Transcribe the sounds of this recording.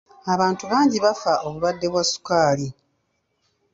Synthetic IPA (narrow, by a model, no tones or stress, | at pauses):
aβaːntuβaːɲɟiβafao̞βulwadːe̞βwasu̥kaːli